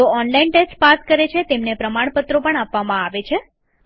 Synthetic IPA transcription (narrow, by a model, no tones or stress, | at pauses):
t̪oɔnlainʈesʈpaskəɾet͡ʃʰet̪emnepɾəmaɳ̃pət̪ɾopəɳapʋamãaʋet͡ʃʰe